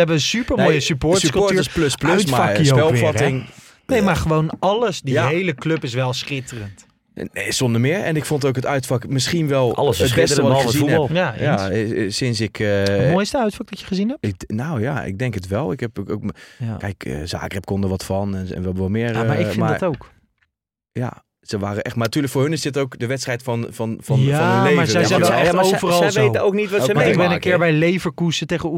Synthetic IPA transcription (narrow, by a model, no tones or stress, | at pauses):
ɛbəəsypəɹmnoːjəsypoɹskloɹtyəspløspløtmafaɹopɛlˠfɑtɪŋ | nejmaχəʋownɑləsdijaɦejləkløpɪs̬ʋɛlˠsχɪtərənt | sondəmɪəɹɛ̰nɪkfontowkətœɥtfɑkmɪsχinʋɛlˠɑləsəbɛstəʋɔɪlˠχəziulˠjajiasɪnsɪkʰmojstəaɥtfɔk̚dɔtjəχəzinɦɛpnowjaɪ̰ɡ̚dɛŋkətʋɛlˠɪkɛpkkɛjkə̰za̰ːkərɛp̚kɔndəʋɔtfɔnɛnɛ̰nʋɛʋɔlˠmɪəmaɪɪmadtowk | ja̰ | səʋaːrəʔɛχtmanatyːləkfoːɹhɦønɪssɪtərowkdəʋɛtstrɛjtfnfɔnfɔaɔnənleːaɹəɛzɛɛlɛaovərɑlˠʋejəowk̚nitʋɔtəaɪɡbɛnə̃kɪːɹbɛjlejvəɹkusəteχəu